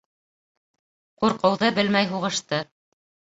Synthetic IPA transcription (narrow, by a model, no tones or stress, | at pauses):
quɾqɤ̆wðɤbɘlmæjɦuʁɤ̆ʃt̪ɤ